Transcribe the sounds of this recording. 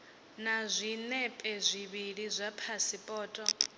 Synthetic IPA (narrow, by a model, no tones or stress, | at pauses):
nazʷinɛpʼɛzʷiβiɺizʷapʰasipʼɔːtʼɔ